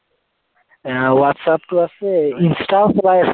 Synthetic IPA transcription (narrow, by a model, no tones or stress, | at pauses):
awatsap̚tuasɛĩnstalsbajf